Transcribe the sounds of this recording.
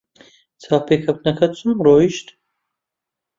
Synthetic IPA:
t͡sʰaːpekʰɐpnɐkʰɐt͡sʰumroːiʃt̪

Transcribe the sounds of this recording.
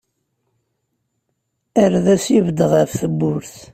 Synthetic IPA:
əɾðæsivəd̪ʁəfθəbːʊɾθ

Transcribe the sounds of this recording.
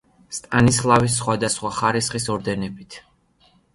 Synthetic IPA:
st̪ʼanislˠavis̬ːχwad̪asχwaχaɾisχisɔɾd̪ɛnɛbit̪ʰ

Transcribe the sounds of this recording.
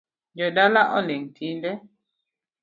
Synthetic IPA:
d͡ʒɔdalaʔɔleŋtʰindɛ

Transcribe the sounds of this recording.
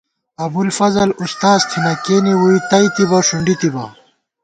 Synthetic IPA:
ɐbulfɐzɐlust̪aːzt̪ʰinɐkeːniwuit̪ɐit̪ibɐʂuɳɖit̪ibɐ̰

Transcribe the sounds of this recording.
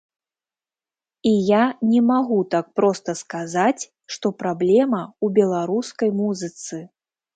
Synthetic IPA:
ijanʲɛmaɣut̪ak̚pɾɔst̪ɐskazat͡sʲ | ʂt̪ɔpɾablʲɛmɐubʲɛlˠaɾuskɐjmuzɨt̪sɨ

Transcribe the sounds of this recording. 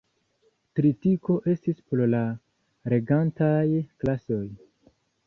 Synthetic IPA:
kɾitiko̞ʔe̞stispɾola | ɾe̞ɡantajklaso̞j

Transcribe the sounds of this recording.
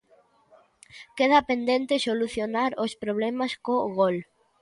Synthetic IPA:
keð̞ɐpend̪ent̪ɪsoluθjonaɾospɾoβ̞lemaskoɣol

